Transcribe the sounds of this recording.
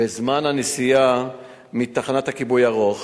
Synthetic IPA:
bezmanhanesija | mit̪aχanathakibujaʁo̞χ

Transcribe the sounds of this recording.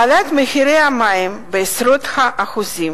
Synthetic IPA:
alat̪mexiɾejamajimbeesɾot̪haʔaxuzim

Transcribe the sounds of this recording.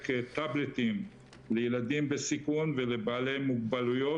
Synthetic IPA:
ket̪ablet̪im | lejelad̪imbesikunvelebaːle̞jmuɡbalujo̞

